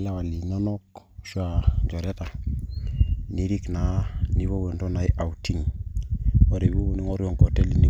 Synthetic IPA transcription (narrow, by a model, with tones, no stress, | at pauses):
la˦wa˨li˨ɲɔ˦nɔ˦k | ʃwa˨ɲd͡ʒɔ˨ɾe˦ta˨ | ni˦ɾi˦kna˨˦ni˦βo˦we˨ndo˦na˨i˦ʔa˨wti˦ŋ | ɔ˦ɾe˨bu˦ni˦ŋɔ˦ɾjɔ˨ŋkɔ˨te˦li˨ni˦